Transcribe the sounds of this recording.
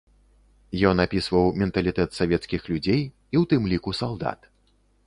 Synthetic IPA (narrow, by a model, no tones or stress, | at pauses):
jɔnapʲisvɐwmʲɛnt̪ɐlʲit̪ɛt̪savʲɛt̪skʲixlʲud͡zʲej | iwt̪ɨmlʲikusalˠd̪a̰t̪